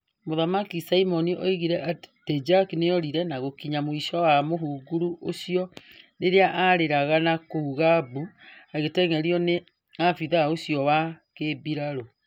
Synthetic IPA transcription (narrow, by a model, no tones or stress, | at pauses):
moðamakisaimɔniʔɔiɣiɾɛʔated͡ʒakineɔɾiɾɛnaɣokiɲamoiʃɔwamoɦuɡuɾuʔosjɔneɾeaʔaɾeɾaɣanakouɣabuaɣetɛŋɛɾiɔne | afiðaosiɔwa | kebiɾaɾo